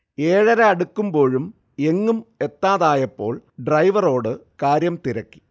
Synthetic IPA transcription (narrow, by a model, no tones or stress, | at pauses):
eːɻɐɾɐɐɽukːumbo̞ːɻum | e̞ŋːume̞t̪ːaːðaːjɐpːo̞ːɭɖrɐjʋɐro̞ːɽɨkaːɾjɐmt̪iɾɐkːi̥